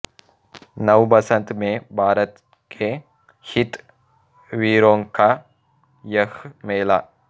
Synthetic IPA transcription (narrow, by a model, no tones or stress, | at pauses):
nɐwbɐsɐnt̪meːbʱaːɾɐt̪ | kʰe | hit̪ | ʋiːɾoŋka | jɐxmeːlaː